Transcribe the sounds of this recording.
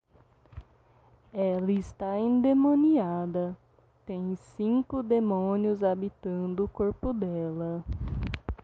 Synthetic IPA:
ɛlɐɪst̪aĩd̪emõniad̪ɐ | t̪ẽj̃sĩŋkʊd̪emõniʊzabit̪ɐ̃nd̪ʊːkoɾpʊd̪ɛlɐ

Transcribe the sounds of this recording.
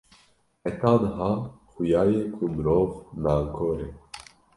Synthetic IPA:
ɛt̪aːnəɦɑːxʊjaːjeːkʰumɨɾoːvnaːŋkʰoːɾeː

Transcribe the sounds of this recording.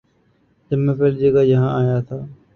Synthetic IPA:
d͡ʒəmẽpeːld͡ʒeːɡaːd͡ʒəɦãːaːjaːt̪ʰaː

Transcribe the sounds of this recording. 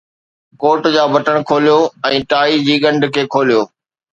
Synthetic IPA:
koːʈd͡ʑaːbɐʈəɽ̃kʰoːlijoːɛ̃ːʈaːid͡ʑiːɠɐ̃ɳɖʱkʰeːkʰoːlijoː

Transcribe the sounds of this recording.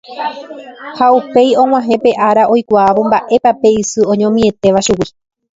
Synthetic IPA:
haupe̞jõ̞ŋ̃w̃ãɦẽpe̞ʔaɾaʔo̞jkʷaːʋombaʔe̞pape̞isɨõ̞ɲõmĩe̞t̪e̞ʋaʃuwi

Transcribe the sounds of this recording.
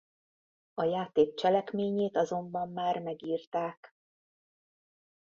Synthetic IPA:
ɒjaːt̪eːk̚t͡ʃɛlɛkmeːɲeːt̪ɒzo̞mbɒmːaːrmɛɡiːrt̪aːk

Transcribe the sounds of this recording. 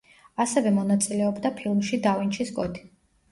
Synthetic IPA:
asɛvɛmɔnat̪sʼilɛɔbd̪apʰilˠmʃid̪avint͡ʃʰisɡʼɔt̪ʰi̥

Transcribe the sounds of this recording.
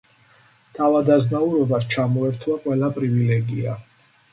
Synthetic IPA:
t̪ʰavad̪aznauɾɔbast͡ʃʰamɔɛɾt̪ʰwaqʼwɛlapʼɾivilɛɡia

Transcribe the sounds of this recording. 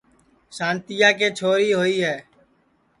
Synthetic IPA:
ʃãːnt̪ɪjaːk̬eːt͡ʃʰoːɾiːɦoːiːɦɛː

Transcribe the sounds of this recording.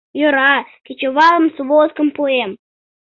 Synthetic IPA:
joɾɑkʲet͡ɕoβɑlˠə̆msβoskə̆mpoem

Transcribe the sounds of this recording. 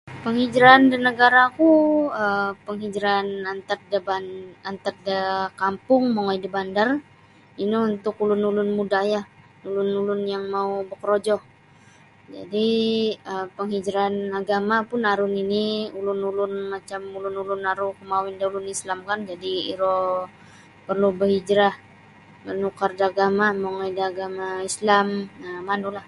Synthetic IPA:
pəŋhid͡ʒɾandənəɡaɾakuəpəŋɦid͡ʒɾanant̪ərdəbaant̪ərdəkampʊŋmoŋoidibandar | iniunt̪ʊkulʊnulʊnmudahjah | ulʊnulʊnjaŋmaubəkəɾod͡ʒɔh | d͡ʒa̰diəpəŋhid͡ʒɾanaɡamapʊnaɾʊniniulʊnulʊnmat͡ʃamulʊnulʊnaɾʊkəmawindaulʊnislamkand͡ʒadiiɾo | pərlubəɦid͡ʒɾah | mənukardaɡamamoŋaidiaɡamaislaməmanulah

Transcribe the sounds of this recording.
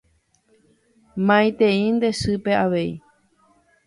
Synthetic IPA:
mãj̃t̪ẽĩnd̪e̞sɨpe̞aʋe̞ḭ

